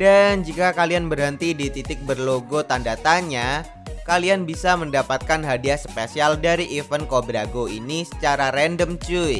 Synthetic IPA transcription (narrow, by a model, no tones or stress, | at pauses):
dand͡ʒikakalianbərɦənt̪idit̪it̪ɪk̚bərloɡot̪andat̪aɲa | kalianbisaməndapat̪̚kanɦadiaspesialdaɾiʔifənkobɾaɡoḭnisə̥t͡ʃaɾaɾɛndəmt͡ʃui